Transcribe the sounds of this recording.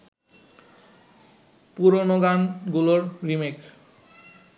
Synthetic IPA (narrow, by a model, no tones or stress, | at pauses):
puɾonoɡanɡuloɾɾimek